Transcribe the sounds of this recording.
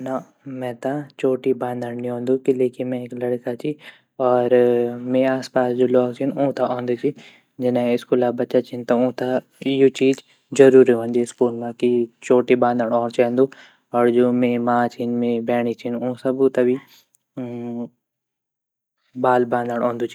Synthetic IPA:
na | mɛ̃ːt̪ãt͡ʃoːʈibãːnd̪əɽniɦõːnd̪ukilekimɛ̃klɐɽkat͡ʃʰi | ɔːɾmẽaːspaːsd͡ʒoːlɔːkt͡ʃʰinũːt̪aʔõːnd̪ut͡ʃʰi | d͡ʒɪnẽɪskuːlaːbɐt͡ʃat͡ʃʰint̪aũːt̪a | jot͡ʃiːd͡ʒ | zɐɾuːɾiɦõːnd̪iɪskuːlmãkit͡ʃoːʈibãːnd̪əɽ̃ɔːɾt͡ʃaɦnd̪u | ɔːɾd͡ʒoːmẽmãːt͡ʃʰinmẽbɛːɽ̃it͡ʃʰinũːsɐbut̪abi | baːlbãːnd̪əɽ̃õːnd̪uːt͡ʃʰi

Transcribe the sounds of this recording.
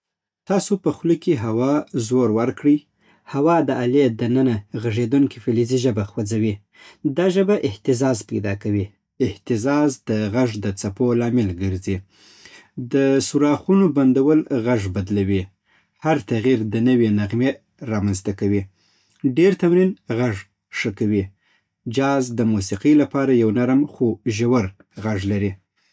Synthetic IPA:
t̪ɑsopəxlikiɦawɑzoɾwaɾkɽəj | hawɑd̪əaled̪ənənaɣaʐed̪uŋkifɪliziʒəbaxwad͡zawi | d̪ɑʒəbaʔɪht̪ɪzɑzpajd̪ɑkawi | ɪht̪ɪzɑzd̪əɣaʐd̪ət͡sapolɑmɪlɡəɾzi | d̪əsuɾɑxunoband̪awəlɣaʐbad̪lawi | haɾt̪aɣiɾd̪ənəwenaɣme | ɾɑmanzt̪akawi | ɖeɾt̪awɾinɣaʐ | ʂəkawi | d͡ʒɑzd̪əmusiqilapɑɾajawnaɾmxoʒawaɾ | ɣaʐlaɾi

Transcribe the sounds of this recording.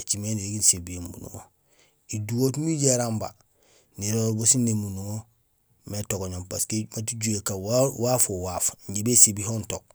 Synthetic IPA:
et͡ʃimeniɾeɡinsebiembṵnṵŋo̰ | iduwotmiɟaɾamba̰ | niɾoɾbosinemunuŋo | metoɡoɲompaskemat̬iɟuekawwafowafɲɟibesebihontok̚

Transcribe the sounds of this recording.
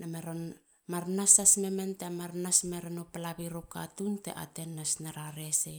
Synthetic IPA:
nameɾon | maɾnasasme̞mentemaɾnasmeɾenopalaβiɾoka̰tuntḛʔa̰te̞nːasnaɾaɾe̞se

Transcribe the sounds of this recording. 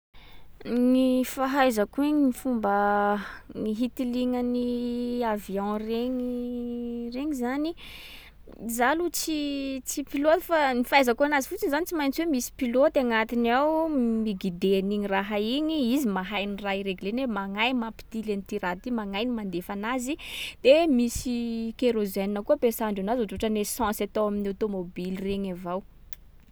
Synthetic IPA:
nifaɦajzakuiɲinifumbə | ŋiɦit̪iliŋəniavjɔ̃reŋi | reŋizani | zalut͡sit͡sipilot̪fanifajzakuanazifut͡sinizanit͡simajnt͡siwemisi̥pilot̪aŋat̪inawmiɡid̪eniɲiraɦaiɲiizimaɦajniraiɾeɡulenemaŋajmapi̥t̪ilenit̪iɾat̪imaŋajnimand̪efanazid̪̥emisikeɾozeninəkuəpesaɳɖ͡ʐanazuʈ͡ʂuʈ͡ʂənesãsat̪owaminiawt̪omobilireɲavaw

